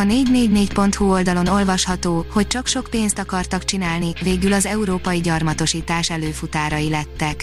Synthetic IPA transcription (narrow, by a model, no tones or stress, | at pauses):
ɒneːɟneːɟneːcpo̞n̪t̪huo̞ld̪ɒlo̞no̞lvɒʃhɒt̪oːhoc̚t͡ʃɒkʃo̞kpeːnst̪ɒkɒrt̪ɒkt͡ʃinaːlniveːɡylɒzɛuɾoːpɒjiɟɒrmɒt̪o̞ʃiːt̪aːʃɛløːfut̪aːɾɒjilɛt̪ːɛk